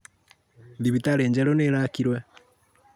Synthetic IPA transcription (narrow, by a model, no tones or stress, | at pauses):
ðiβitaɾeːɲd͡ʒeɾoneɾakiɾwe